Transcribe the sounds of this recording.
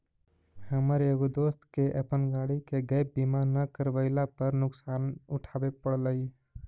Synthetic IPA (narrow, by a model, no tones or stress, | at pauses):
həməɾjeɡod̪oːst̪keʔəpənɡaːɽikeɡəj̚bimanəkəɾʋəɪlapəɾnʊksaːnʊʈʰaːbepəɽləi